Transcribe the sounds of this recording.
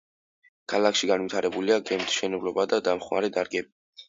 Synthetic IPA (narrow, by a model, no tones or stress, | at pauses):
kʰalakʰʃiɡanwit̪ʰaɾɛbuliaɡɛmt̪ʃɛnɛblɔbad̪ad̪amχmaɾɛd̪aɾɡɛbi